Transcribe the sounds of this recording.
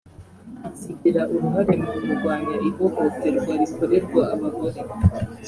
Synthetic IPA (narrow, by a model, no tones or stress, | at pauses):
siɡiɾaʔuɾuɦaɾe̞muɾumuɾɡwaːnaʔiβoɡot͡seɾuɡwaɾikoɾeɾɡwaaβaɡo̞ɾe